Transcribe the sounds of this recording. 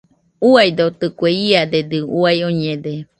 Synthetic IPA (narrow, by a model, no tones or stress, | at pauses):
uajd̪ot̪ɨkueiad̪ed̪ɨuajoɲẽd̪e